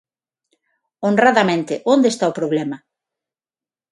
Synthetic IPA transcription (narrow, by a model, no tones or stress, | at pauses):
onraðamẽnt̪ɪʔond̪est̪aopɾoβlɛmɐ